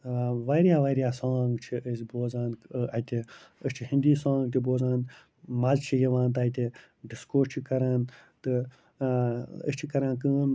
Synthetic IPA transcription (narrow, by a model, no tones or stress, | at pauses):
ʋɐɾjaːʋɐɾjaːsaːŋɡt͡ʃʰiəsboːzaːnɐt̪ʲiəst͡ʃʰiɦĩnd̪iːsãːŋɡ̚t̪iboːzaːn | malt͡ʃʰijɐʋãːnt̪ɐːjt̪e | ɖiskoːt͡ʃʰikɐɾaːnt̪ɨ | ə̰st͡ʃʰikɐɾãːnk̬ɨːn